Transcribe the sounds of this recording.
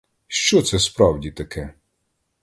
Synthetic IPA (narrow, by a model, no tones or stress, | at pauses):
ʃt͡ʃɔt̪sɛspɾɑwdʲit̪ɐkʰɛ